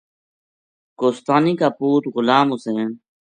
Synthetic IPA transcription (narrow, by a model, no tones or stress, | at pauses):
koːst̪aːniːkaːpuːʈ̪ɣʊlaːmʊsẽːn